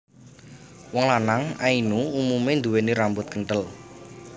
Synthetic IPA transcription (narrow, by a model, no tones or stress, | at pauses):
wɔŋlanaŋainuumumend̪uweniɾambʊt̪̚kəɳʈəl